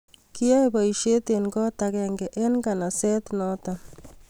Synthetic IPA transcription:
kɪ˦ja˦bɔ˨i˨ʃe˦t̪e˨nɡɔ˦ta˨kɛ˨ŋɡɛ˨ʔe˦nɡa˨na˨sɛ˦t̪nɔ˦ta˨

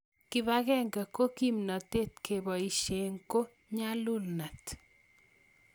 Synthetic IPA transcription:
kɪ˨βa˦ɣɛ˦ŋɡa˨ko˦ki˦mnɔ˨te˦tkʰe˨bɔ˨i˨ʃe˨ŋko˦ | ɲa˦lʊ˦lna˨t

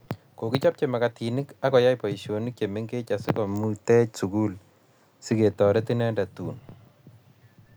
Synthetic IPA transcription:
ko˨ki˦t͡ʃa˦p̚t͡ʃe˨ma˨katʰi˨ni˦ka˦kɔ˨ja˦jpɔ˨iʃo˨nik̚t͡ʃe˨me˦ŋɡe˦t͡ʃa˨si˦kɔ˨mu˦tɛ˦t͡ʃsu˨ku˦l | si˦ke˨tɔ˨ɾɛ˦ti˦nɛ˦nda˨tu˨n

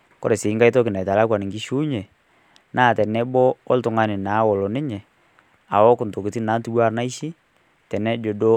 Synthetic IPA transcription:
kɔ̰˦ɾɛ˨sɪ˨˦ŋɡa˦i˦to˦kɪ˨na˨ta˨la˦kwa˨nɪ˨ŋɡi˦ʃu˦ɲɛ˨ | nʔaː˦˨tɛ˨nɛ˦bɔ˦ɔ˦ltʊ˨ŋa˦nɪ˨na˨˦wɔ˨lɔ˨nɪ˦ɲɛ˨ | a̰˨wɔ˦kʊ˨nto˨ki˨ti˦na˨˦ntu˦wa˦ɾna˦i˦ʃi˦ | tɛ˨nɛ˦d͡ʒo˨do˦

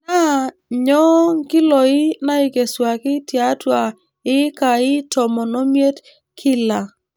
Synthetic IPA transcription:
na˦˨ | ɲɔ˦ŋ˦kɪ˦lɔ˨ɪ˦na˦ɪ˨ke˨swa˨kɪ˦tja˨˦twa˨ | ɪ˦ka˨ɪ˦tɔ˨mɔ˨no˦mje˦t | kʰɪ˦la˨

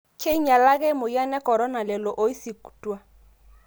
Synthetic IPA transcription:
kʰe˦i˦ɲa˨la˦ɣɛ˦mo˨ja˦nɛ˦kɔ˨ɾɔ˦na˨lɛ˨lɔ˨ʔo˦i˦si˨ku̥˨twa˦

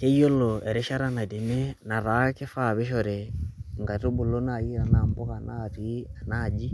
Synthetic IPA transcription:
kɛ˦ijɔ˦lɔ˨ɛ˨ɾɛ˦ʃa˦ɾa˦na˨de˨nɛ˦na˨ɾa˨˦kɛ˦fa˦˨βɛ˦ʃɔ˨ɾɛ˨ŋɡa˨tu˦bu˨lo˦na˨ji˦ɾa˨na˨mbɔ˦ka˨na̰˦˨ti˨˦a˨na˦˨d͡ʒi˦

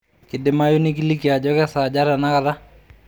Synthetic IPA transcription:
kɪ˨dɪ˨ma˦jo˦nɪ˦k̬i˦li˦ki˨a˨d͡ʒɔ˦kɛ˦sa˨d͡ʒa˦ɾa˨na˦ka˨ta˦

